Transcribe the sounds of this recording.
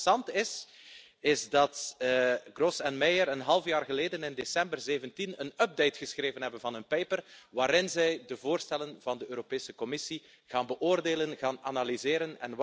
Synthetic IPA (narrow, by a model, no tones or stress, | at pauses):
sɑntɪs | ɪzdɑt | ɡrɔsɛnmɛjəɾənɦɑlˠfjaːrɣəleːdənɪndesɛmbərzeːvəntinənœb̚dejtxəsxreːvənɦɛbənvɑnənpejpərʋaːɾɪnzɛjdəvoːrstɛlənvɑndəøːɾopeːsəkɔmɪsi | ɣaːnbəʔoːrdeːlənɣaːnanalizeːɾənɛn